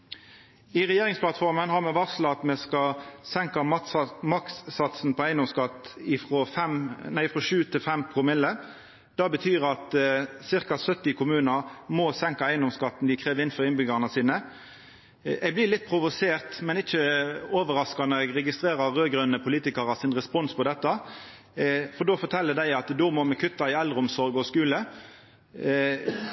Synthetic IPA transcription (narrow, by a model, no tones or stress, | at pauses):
ɪʁɛjeːʁɪŋspʰlɑt̪fɔʁmənhɑʁmɛʋɑʁsləɑt̪mɛskɑsɛŋkɑmɑkssɑt̪sn̩pʰɔæɪənd̪ɔmskɑt̪ɪfʁɔfɛmnæɪfʁɔːʃʉːt̪ʰɪlfɛmpʰʊmɪlːə | d̪̥ɑbət̪ʰyːʁɑt̪sɪʁkɑsœt̪ːɪkʰʊmʉːnəʁmosɛŋkɑæɪənd̪ɔmskɑt̪ːn̩d̪ɪkʰʁeːʋɪnfɔʁɪnbʏɡɑnəsiːnə | ɛɡblɪlɪt̪̚ːpʰʁʊʋʊseːʁt̪mɛnɪçəoːʋəɾɑskɑnɔʁɛɡʁɛɡɪst̪ɾeːɾəːøːɡɾœnəpʰʊliːt̪ɪkɑɾɑsɪnʁɛspɔnspʰɔd̪ɛt̪ːɑ | fɔɖ̪oːfɔt̪ʰɛlːəd̪æɪɑt̪d̪ɔmɔmɛkʰʉt̪ːɑɪɛld̪ʁəɔmsɔɾɡɔskʉːlə